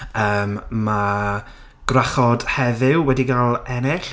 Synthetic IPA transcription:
əːmma | ɡ̥raχɔd̥hɛðɨwwɛdiɡalˠɛnɛɬ

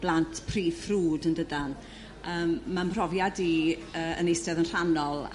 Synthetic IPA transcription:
b̥lˠantʰpʰriːfruːdəndədan | əːmːambrɔvjadiəːə̰nejsɛðənr̥anɔlˠ

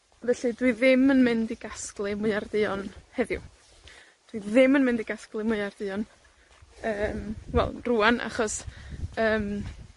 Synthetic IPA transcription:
ðɛɬɨdwiðɪmənmɪndiɡ̥asklˠɨmʊɨardɨɔnhɛðjʊ̰ | d̥wiðɪmənmɪ̃ndiɡasklˠɨmʊɨardɨɔn | əːmwɛ̰lˠruːanʔa̰χɔsəːm

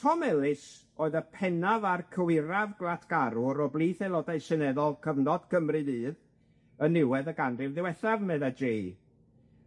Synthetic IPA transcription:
tʰɔmɛlˠɪs | oːɨðəpʰɛnavarkʰəwɪɾavɡlˠatʰɡ̥aɾʊɾɔblˠiːθɛlˠɔdaɨsɛnɛðɔlˠkʰəvnɔd̥kʰəmrɨnɨːð | ənɪwɛðəɡanrɪvðɪwɛθavmɛðad͡ʒej

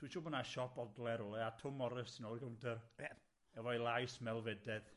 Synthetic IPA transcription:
d̥wit͡ʃɔbənaʃɔpɔdlˠɛɾɔlˠɛatʰʊmɔɾəsənɔrɡəmndʰərɛ | ɛvɔjlˠajsmɛlˠvɛdɛð

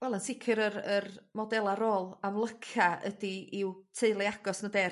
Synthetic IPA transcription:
wɛlˠənsɪkʰɨɾəɾərmɔdɛlˠaɾoːlˠamlˠəkʰaə̰diiwtʰeɨlˠɪaɡ̥ɔsnədeːr

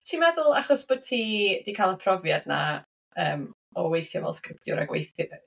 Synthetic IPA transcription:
tʰiːmɛðʊlˠaχɔsb̥od̥̚tʰiːd̥iːkʰalˠənpʰrɔvjadna̰ | əːm | ɔwejθjɔvɛ̰lˠskrɪp̚tjʊ̰ɾa̰ɡwḛjθ

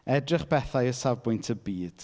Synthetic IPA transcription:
ɛdrɪχb̥ɛθajəsavbʊjntʰəbiːd̥

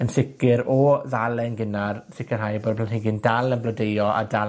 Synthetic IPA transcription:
ənθɪkɪɾɔðalˠɛnɡɪnarsɪkɪrɦajboːdplanhɪɡɪndalˠənblɔdejɔa̰da

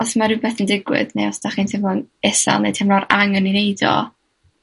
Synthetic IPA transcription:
ɔsmaɾɨbeːθəndɪɡwɪ̰d̥nejɔsd̥aχintʰɪmɔnɛsa̰lˠnḛjtʰɛmlɔɾaŋənineɨdɔ̰

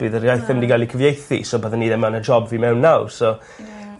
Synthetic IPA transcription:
b̥ɨːðərjajθɪmdiɡalˠikʰəvjejθḭsɔboðanːiːdɛmanəd͡ʒɔbviːmɛwnːawsɔ

